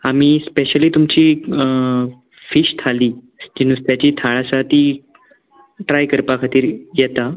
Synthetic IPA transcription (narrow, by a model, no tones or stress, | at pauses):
amiːspeɕəliːt̪umt͡ɕiː | fiɕt̪ʰaliː | d͡ʑinust̪jat͡ɕiːt̪ʰaɭasat̪iː | ʈɾajkəɾpakʰat̪iːɾjɛt̪a